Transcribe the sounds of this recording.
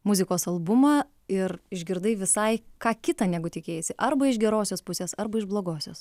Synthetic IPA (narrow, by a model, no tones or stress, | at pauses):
mʊzʲɪkoːsɐlˠbʊmɐ | ɪrɪʒʲɡʲɪɾd̪ɐɪʋʲɪsɐɪkɑːkʲɪt̪ɐːnʲæːɡʊt̪ʲɪkʲeːjɛsʲɪʔɐɾbɐɪʒɡʲɛɾoːsʲoːspʊsʲeːsɐɾbɐɪʒblˠoːɡoːsʲo̰ːs